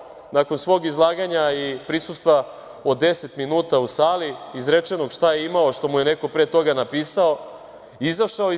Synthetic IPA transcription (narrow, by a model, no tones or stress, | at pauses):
nako̞nsʋo̞ːɡizlˠaːɡaɲaipɾisust̪ʋa | o̞d̪d̪e̞se̞t̪minuːt̪ausaːliizɾet͡ʃe̞noɡʃt̪aje̞imao̞ʃt̪o̞muje̞ne̞ko̞pɾet̪o̞ɡanapiːsao̞ | izaʃao